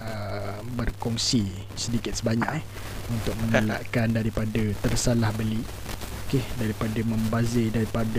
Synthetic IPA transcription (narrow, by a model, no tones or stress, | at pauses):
əbərkɔŋsi | sədikɪt̪̚səbaɲak | unt̪ʊk̚məŋəlaʔkandaɾipadət̪ərsalahbəli | okedaɾipadəmə̃mbazɪdaɾipadə